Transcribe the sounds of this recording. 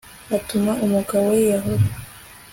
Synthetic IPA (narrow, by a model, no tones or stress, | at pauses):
atumaʔumukawejaɦoɾ